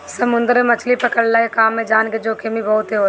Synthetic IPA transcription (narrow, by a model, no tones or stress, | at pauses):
sɐmʊ̃nd̪əɾemɐt͡ʃʰlipɐkəɽlakekaːmːẽd͡ʒaːnked͡ʒoːkʰemibɐɦʊt̪ɦeɦoː